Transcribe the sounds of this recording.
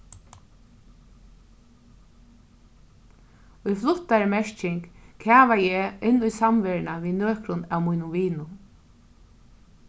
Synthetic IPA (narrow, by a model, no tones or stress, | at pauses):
ʊjflʊt̪ːaɾmɛʂcɪŋkkʰaːʋajɛːɪnːʊjsamʋeːɹnaʋiːnøːkɾʊnæwmujnʊmʋiːnʊ